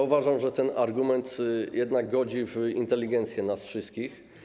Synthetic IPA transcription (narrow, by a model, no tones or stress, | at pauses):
uvaʐamʐɛt̪ɛnaɾɡumɛnt̪jɛd̪naɡ̚ɡɔd͡ʑivint̪ɛlʲːiɡɛnt̪sʲjɛnasfʂɘst̪̚kʲix